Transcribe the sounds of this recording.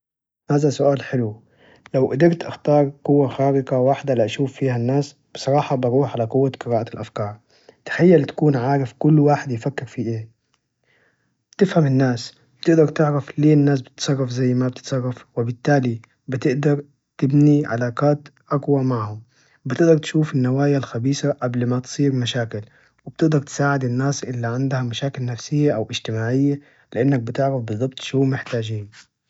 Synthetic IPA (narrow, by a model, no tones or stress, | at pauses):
haːðasʊʔaːlħɪlu | lawʔad̪ɪɾt̪ʔaxt̪ɑːɾˤqʊwːaxaːɾɪqawaħd̪aliʔaʃuːfːiːhanːaːs | b̥ɪsˤɑɾˤɑːħɑbɑɾuːħʕalaqʊwːaqɨɾaːʔalʔafkɑːɾˤ | t̪ḁħajːalt̪ḁkuːnʕaːɾɪfkʊlːwaːħɪd̪jɪfakːɪɾfiʔeː | bt̪ɪfhamɪnːaːs | bɪt̪ɪʔd̪ɑɾˤt̪ɪʕɾafliːnːaːs̬b̥ɪ̥t̪sˤɑrˤːɑfzajːmab̚t̪ɪ̥t̪sˤɑrˤːɑfwɪbɪt̪ːaːli | bɪt̪ɪʔd̪ɑɾˤ | t̪ɪbniʕa̰laːqaːt̪ʔaɡwamaʕhʊm | bɪt̪ɪʔd̪ɑɾˤt̪ʃuːfɪnːawaːjalxabiːsaʔablmat̪sˤiːɾmaʃaːkɪl | wɪb̥̚t̪ɪʔd̪ɑɾˤt̪saːʕɪd̪ɪnːaːsʔɪlːaʕɪnd̪hamaʃaːkɪlnafsɪjːaʔawʔɪʒt̪ɪmaːʕɪjːa | lɪʔanːak̚bɪt̪ɪʕɾafbɨzˤːɑb̚t̪ˤʃuːmɪħt̪aːd͡ʒiːn